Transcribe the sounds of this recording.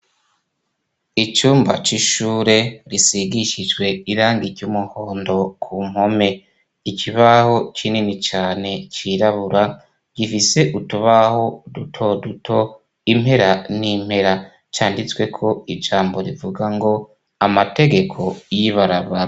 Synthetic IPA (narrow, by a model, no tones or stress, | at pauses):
it͡ʃuːmba̰t͡ʃiʃuːɾe̞ɾisiɡiʃid͡ʒɡwe̞iɾaːŋɡiɾɟumuho̞ːndo̞kʰum̥ho̞me̞ | ikiβaho̞t͡ʃininit͡ʃaːne̞t͡ʃiɾaβuɾa | ɟ̥ifise̞ʔutuβaho̞dutʰo̞dutʰo̞ | im̥he̞ɾanim̥he̞ɾa | t͡ʃaːndit͡swe̞kʰo̞id͡ʒaːmbo̞ɾivuɡaŋɡo̞ | amate̞ɡe̞kʰo̞jiβaɾaβaɾa